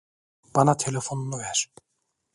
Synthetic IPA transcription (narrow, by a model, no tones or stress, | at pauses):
b̥anat̪ʰelʲefo̞nunuvæɾ̥